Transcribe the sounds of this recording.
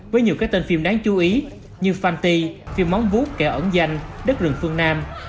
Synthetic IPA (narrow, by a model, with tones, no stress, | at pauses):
vəː˨˦jɲi˨˩kaː˦˥k̚t̪i˨˧˩nfi˧˩mɗaː˨˦ŋt͡ɕu˨˦ʔi˨˦ | ɲɨ˧faː˧nt̪i˧fi˧˩əmːa˨˦wŋ͡mvu˦˥t̚kɛ˧˩ʔə̰˧˩nza˧jŋ̟ɗə˦˥k̚zɨ̰˨˩əŋfɨ˧əŋnaː˧m